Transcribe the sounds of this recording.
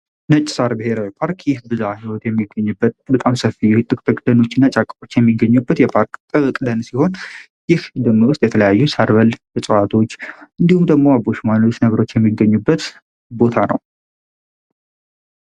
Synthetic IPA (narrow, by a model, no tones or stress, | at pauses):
nət͡ʃʼːɪ̥saɾbɨhe̞ɾawipʰaɾkjɪhbɨzahiwɔt̪jɛmːiɡːəɲːubːət̪bət̪ʼamsəfijt̪ʼːɨkʼt̪ʼɨkʼd̪əno̞t͡ʃːɨnːat͡ʃʼakʼːəɾo̞t͡ʃːjɛmːiɡːəɲːubːət̪jɛpʰaɾkt̪ʼɨkʼd̪ənsiho̞n | jɪhd̪ɨmɨwʊst̪jɛt̪ʰələjajːusaɾβəlbəsʼəwat̪ʰo̞t͡ʃːʔɨnd̪ihumd̪əɡmo̞abo̞ʃmant̪ʰot͡ʃːnəβɾo̞t͡ʃːjɛmːiɡːəɲːubːət̪ | bo̞t̪ʰanə̰w